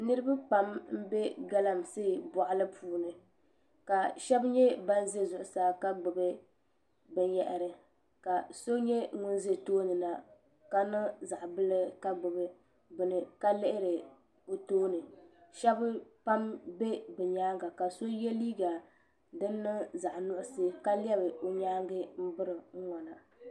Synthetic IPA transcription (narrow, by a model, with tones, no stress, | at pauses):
nɨ˦ɾɨ˦ba˦pa˨mm̩˦be˦ɡa˦la˨mseː˦˨bɔ˨ʔa˦lɨ˦pʰuː˦nɨ˨ | ka˨ʃɛ˦bɲɛ˦ba˦n˦ze˦zʊ˨ʔʊ˨saː˨˦˨ka˦ɡ͡bɨ˨bɨ˦ | bɛ˦ɲɛ˨ʔɪ˨ɾɨ˨ | ka˨so˦ɲɛ˦ŋʊ˦n˦ze˦toː˦nɨ˨na˨ | ka˨nɨ˦za˨ʔbɨ˦lɨ˦ka˦ɡ͡bʊ˨bɨ˦ | bɨ˨nɨ˨ka˦lɪ˦ʔɪ˦ɾɨ˨ | o˨toː˦nɨ˨ʃɛ˦bpa˦mbe˦bɛ˨ɲaː˦ŋɡa˨ka˨so˦jɛ˦liː˦ɡa˨ | dɨ˦nːɨ˦za˨ʔnʊ˦ʔʊ˦sɨ˦ka˦lɛ˦bɨ˨o˨ɲaː˦ŋɡɨ˦m̩˦bɨ˦ɾɨ˨ŋ̩˦ŋɔ˨na˨